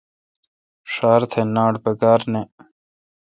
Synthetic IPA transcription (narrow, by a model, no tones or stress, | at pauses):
ʂaːɾt̪ʰenaːɽpɐkaːɾne